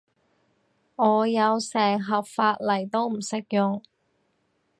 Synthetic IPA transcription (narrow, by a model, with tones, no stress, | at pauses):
ɔː˨˧jɐ˨˧wsɛː˨˩ŋɦɐ˨p̚faː˧t̚lɐ˨˩jt̪o˥wm̩˨˩sɪ˥k̚jʊ˨˩ŋ